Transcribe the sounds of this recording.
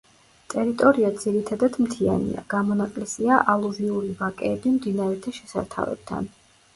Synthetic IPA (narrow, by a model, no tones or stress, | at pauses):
t̪ʼɛɾit̪ʼɔɾiad̪z̥iɾit̪ʰad̪ad̪mt̪ʰia̰nḭa̰ɡ̥amɔnaqʼlɛsiaʔalˠuviuɾivakʼɛːbimd̪inaɾɛt̪ʰaʃɛsa̰ɾt̪ʰa̰vɛ̰b̥̚t̪ʰa̰n